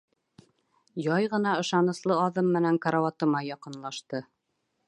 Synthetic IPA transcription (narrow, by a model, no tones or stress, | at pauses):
jɑjʁɤ̆nɑɤ̆ʃɑnɤ̆slˠɤɑðɤmːɘ̆næŋkaɾawɑt̪ɤ̆mɑjɑqɤ̆nlˠɑʃt̪ɤ